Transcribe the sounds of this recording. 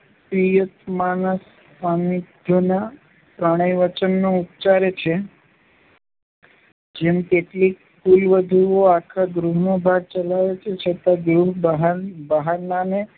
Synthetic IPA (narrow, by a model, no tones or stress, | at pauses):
pɾijət̪manəs | amid̪ʱjona | pɾəɽ̃əjʋət͡ʃənːoup̚t͡ʃaɾet͡ʃʰe | d͡ʒemk̪eʈlik | kulʋəd̪ʱuoakʰaɡɾuɦnobʱaɡ̚t͡ʃəlaʋet͡ʃʰet͡ʃʰət̪aɡɾuɦbɦabəɦanane